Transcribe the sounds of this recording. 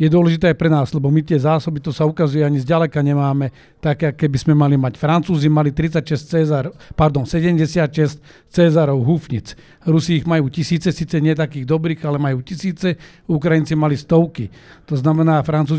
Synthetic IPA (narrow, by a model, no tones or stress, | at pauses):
jɛd̪ʊɔlɛʒit̪ɛːajpɾɛnaːzlɛbɔmit̪ɪɛzaːsɔbit̪ɔsaukazujɛaɲizɟalɛkaɲɛmaːmɛ | t̪akɛːakːɛbiz̥mɛmalimacfɾant͡suːzimalit̪ɾit͡sacʃɛst͡sɛːzaɾɔpaɾd̪ɔnsɛɟɛmɟɛsɪat̪ʃɛsc | t͡sɛːzaɾɔʊɦufɲit͡s | ɾusiːɣmajuːcisiːt͡sɛsiːt͡sɛɲɪɛt̪̬akiːɣd̪ɔbɾiːɣalɛmajuːcisiːt͡sɛ | ukɾajint͡simalist̪ɔʊki | t̪ɔznamɛnaːfɾant͡suː